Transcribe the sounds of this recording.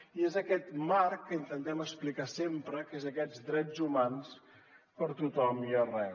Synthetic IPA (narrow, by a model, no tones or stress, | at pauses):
iezəkɛt̪maɾkːəint̪ənt̪ɛməksplikasempɾəkezəkɛd͡zd̪ɾɛd͡zumans | pəɾt̪ut̪ɔmiərɛ